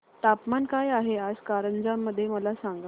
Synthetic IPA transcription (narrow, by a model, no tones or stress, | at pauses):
t̪apmankajaɦead͡zkaɾənd͡zamːəd̪ʱːjeməlasaŋɡ